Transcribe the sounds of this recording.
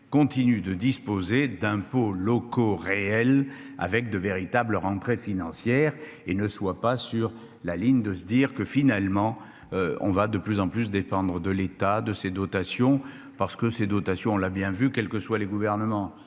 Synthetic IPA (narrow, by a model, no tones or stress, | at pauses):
kɔ̃t̪inyd̪əd̪ispozed̪ɛ̃polɔkoʁeɛla̰vɛk̚d̪əveʁit̪abləʁɑ̃t̪χefinɑ̃sjɛʁ | enəswapasyʁ | laliɲd̪əsəd̪iʁkəfinalmɑ̃ | øɔ̰̃vad̪əplyzɑ̃plys̬d̪epɑ̃d̪ʁəd̪əlet̪ad̪əsed̪ɔt̪asjɔ̃ | paʁsə̥kəsed̪ɔt̪asjɔ̃ɔ̃labjɛ̃vykɛlkəswaleɡuvɛʁnəmɑ̃